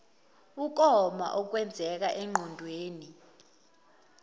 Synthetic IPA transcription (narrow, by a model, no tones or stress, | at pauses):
uk̬ɔma̰ʔɔk̬wɛnd͡zʱɛk̬aʔɛŋ͡ǃʱɔndʱweːni